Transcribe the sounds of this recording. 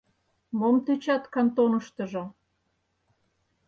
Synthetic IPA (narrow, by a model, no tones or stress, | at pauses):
momt̪øt͡ɕɑt̪kɑnt̪onəʃt̪ə̆ʒo